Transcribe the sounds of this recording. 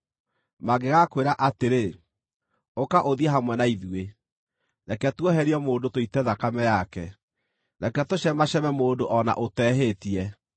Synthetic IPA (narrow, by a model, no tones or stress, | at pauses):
maɡeɣakweɾaʔateɾe | okaʔoðiɛɦamwɛnaiðue | nakɛtwɔɦɛɾiɛmoːdotoitɛðakamɛjakɛ | nakɛtoʃɛmaɕɛmɛmoːdoʔɔna̰ʔotɛɦetiɛ